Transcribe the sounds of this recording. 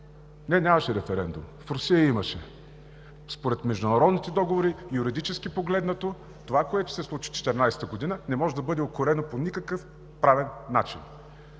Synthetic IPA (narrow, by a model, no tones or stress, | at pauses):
nɛnʲamɐʃɛɾɛfɛɾɛnd̪ṵmfɾosijəimɐʃɛ̰ | spoɾɛt̪mɛʒd̪ʊnɐɾɔd̪nit̪ɛd̪ɔɡovoɾijuɾid̪it͡ʃɛskipoɡlɛd̪nɐt̪o | t̪ovakoɛt̪ʊ̥sɛslˠut͡ʃi̥t͡ʃɛ̥t̪ɛɾnajst̪əɡod̪inənɛmɔʒɛd̪ɐbɤd̪ɛokoɾɛnoponʲikəkɤf | pɾavɛnːat͡ʃḭn